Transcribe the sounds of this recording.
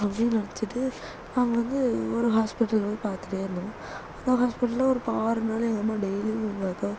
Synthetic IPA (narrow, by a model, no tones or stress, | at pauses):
ɐpɽinɐɽɐt͡ʃːɯʈːɯ | naːŋɡɐʋɐnd̪ɯɔɾɯɦaːspɪʈːɐlʋɐnd̪ɯpaːɾt̪ɯʈeːɪɾnːʊ̃ | ɐnd̪ɐɦaːspɪʈːɐlɐɔɾɯpaːɾɐnaːlɛŋɡɐɐmaːɖɛjliɪnaːkɐ